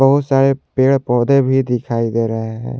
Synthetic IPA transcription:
ɐɦʊt̪saːɾepeːɽpɔːd̪ebʱid̪ɪkʰaːid̪eːɾɐɦeɦɛ̰̃ː

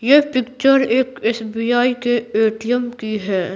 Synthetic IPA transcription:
jepɪkt͡ʃəɾeːkeːsbiːaːikeeːʈijəmkiɦɛː

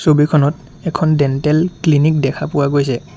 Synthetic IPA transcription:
sobikʰɔnɔt | ɛkʰɔndɛntɛlklinik̚dɛkʰapʊwaɡojsɛ

